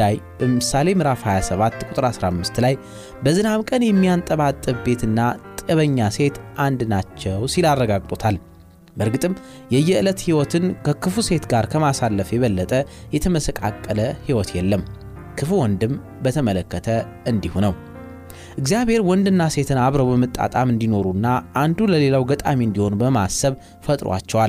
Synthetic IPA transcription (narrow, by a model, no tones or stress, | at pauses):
ajb̥əmɨsale̞mɨɾafhajasəβat̪ːkʼut̪ʼɨɾasɾamːɨst̪laj | bəzɨnaβkʼənjɛmːijant̪ʼəβat̪ʼːɨβbe̞t̪ʰɨnːat̪ʼəβəɲːase̞t̪ʔand̪nat͡ʃːɛwsilarːəɡaɡʼt̪ʼut̪ʰal | bəɾɡɨt̪ʼɨm | jɛjːɛɨlət̪hiwɔt̪ʰɨnkʰəkʰɨfuse̞t̪ɡaɾkʰəmasalːəfjɛβəlːət̪ʼəjɛt̪ʰəməsəkʼa̰kʼːələhiwɔt̪jɛlːəm | kʰɨfuwɔnd̪ɨm | bət̪ʰəmələkːət̪ʰə | ɨnd̪ihunəw | ʔɨɡzijaβhe̞ɾwɔnd̪ɨnːase̞t̪ʰɨnaβɾəwbəmɨt̪ʼːa̰t̪ʼamɨnd̪ino̞ɾunːaʔːnd̪uləle̞lawɡət̪ʼamiɨnd̪iho̞nbəmasəβ | fət̪ʼɾwa̰t͡ʃːɛwal